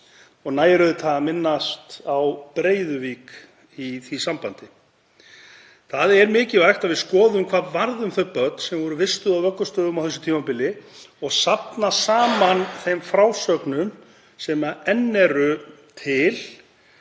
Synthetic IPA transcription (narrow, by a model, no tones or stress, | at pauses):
ɔɣnaːjɾʏðʏt̪ʰaːɣamɪnːast̪awpɾeːjðʏvik | iθisampant̪ɪ | θaðɛɾmɪːcɪvajxt̪aðvɪðskɔːðʏmkʰvaːðvaɾðʏmθœpœt̪n̥sɛmvɔɾʏvɪst̪ʏðawvœkːʏst̪œːðʏmawθɛs̬ːʏ̥t̪ʰiːmapɪlɪɔɣsapnasaːmanθejmfɾawsœknʏm | sɛmaɛnːɛɾʏ | t̪ʰɪl